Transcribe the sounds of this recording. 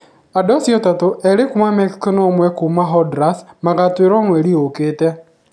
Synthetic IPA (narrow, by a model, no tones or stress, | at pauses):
adɔsjɔtatoʔɛɾekumamɛkskɔnɔmwɛkumaɦɔdɾasmaɣatweɾɔŋwɛɾioketɛ